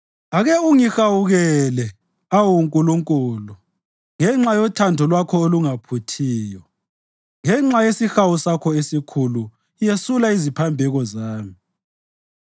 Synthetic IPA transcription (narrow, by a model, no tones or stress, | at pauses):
aɣɛuŋixawuɣɛlɛ | awuŋkʼuluŋkʼuːlu | ŋɛŋ͡ǁajɔtʰandʱɔlwakʰɔoluŋapʰutʰiːjɔ | ŋɛŋ͡ǁajesixawusakʰɔesikʰulu | ijesulaizipʰambʱɛɣɔzaːmi